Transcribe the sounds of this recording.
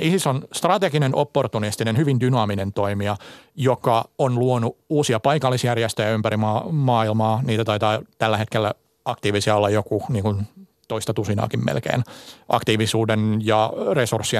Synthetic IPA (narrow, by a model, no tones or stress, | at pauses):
isisonst̪rɑt̪eɡinenopːort̪unist̪inenhyʋindynɑːminent̪oimiɑjokɑonluonuuːsiɑpɑikɑlːisjærjest̪øjæympæɾimɑːmɑːilmɑːniːt̪æt̪ɑit̪ɑːt̪ælːæhet̪kelːæ | ɑkt̪iːʋisiɑolːɑjokuniːŋkun | t̪oist̪ɑt̪usinɑ̰ːkimmḛlkḛːnʔɑ̰kt̪iːʋisuːdenjɑresursːiɑ